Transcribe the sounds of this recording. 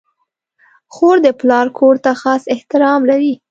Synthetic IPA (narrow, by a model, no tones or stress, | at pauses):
xoɾd̪əplɑɾkʰoɾt̪axɑsɪht̪ɪɾɑmlaɾi